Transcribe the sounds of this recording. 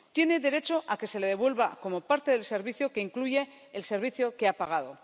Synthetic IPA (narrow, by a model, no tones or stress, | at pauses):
t̪je̞ne̞ðe̞ɾe̞t͡ʃo̞ʔake̞se̞leðe̞βwe̞lβako̞mo̞paɾt̪e̞ðelse̞ɾβiθjo̞ke̞iŋkluʝe̞ː | lse̞ɾβ̞iθjo̞keapaɣ̞aðo̞